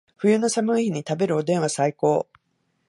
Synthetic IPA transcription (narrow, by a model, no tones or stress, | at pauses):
ɸɯjɯːno̞samɯ̟içiɲ̟it̪abe̞ɾɯ̟o̞d̪ẽ̞ɰ̃βasaiko̞ː